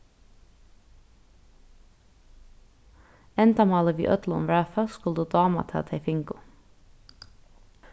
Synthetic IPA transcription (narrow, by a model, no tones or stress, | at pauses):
ɛnt̪amɑːləʋḭːʔœ̰t̪lʊʊ̰mvɹæfaskʊld̪əd̪ɑːma̰t̪ʰɛ̰t̪ʰɛfɪŋkʊ